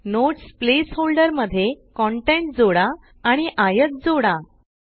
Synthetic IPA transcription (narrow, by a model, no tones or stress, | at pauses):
noʈsplesholɖəɾməd̪ʱːjekɔɳʈẽɳʈ̚d͡zoɽaː | ɽ̃iʔajət̪̚d͡zoɽa